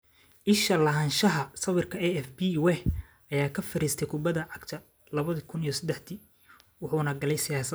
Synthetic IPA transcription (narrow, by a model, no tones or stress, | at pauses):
ʔɪʃɐlɐɦɐnʃɐɦɐsɐwɪrkʰɐɛɛfbiwɛ | ɐjaːkʰɐfɐɾiːst̪ʰɛjkʰʊbɐðɐʕɑɡt̪ʰɐ | lɐβɐðɐkʰʊnijɔsɐd̪ɛħd̪i | wʊħunɐɡɐlɛjsɪjaːsɐ